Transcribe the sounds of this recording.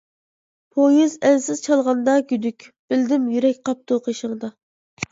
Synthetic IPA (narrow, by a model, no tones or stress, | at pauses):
pʰojizɛnsɪz̥t͡ʃʰɑlˠʁɑnd̪ɑɡʲyd̪ykʲb̥ɪld̪ɪmjyɾɛk̚ʲqʰɑp̚t̪uqʰəʃəŋd̪ɑ